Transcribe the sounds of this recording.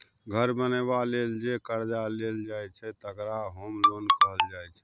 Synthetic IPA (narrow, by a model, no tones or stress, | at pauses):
ɡʱəɾbənebaleld͡ʒekəɾd͡ʒaleld͡ʒajt͡ʃʰɛt̪əkɾaɦomlonkəɦəld͡ʒajt͡ʃʰɛ̥